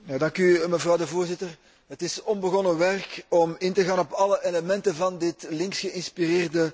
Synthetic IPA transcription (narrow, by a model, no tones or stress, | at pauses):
jaːdɑŋkyməvrɑwdəvoːrzɪtər | ɦətɪsɔnbəɣɔnəʋɛrkɔmɪntəɣaːnɔpɑləʔeləmɛntənvɑndɪtlɪŋksxəɪnspireːrdə